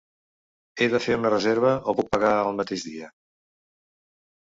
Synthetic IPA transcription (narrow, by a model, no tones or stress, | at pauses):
eðəfeunərəzeɾβ̞əopuk̚pəɣaəlˠmət̪eʒðiə